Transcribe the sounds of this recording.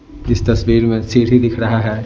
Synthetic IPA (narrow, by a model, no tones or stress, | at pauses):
ɪst̪ɐsʋiːɾmẽsiːɾɦid̪ɪkʰɾɐɦaɦɛː